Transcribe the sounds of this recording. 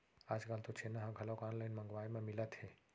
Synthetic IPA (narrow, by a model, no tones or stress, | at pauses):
aːd͡ʒkaːlt̪ot͡ʃʰenaɦãɡʱɐlokaːnlajnmɐ̃ŋɡʋaːimẽmɪlət̪hɛː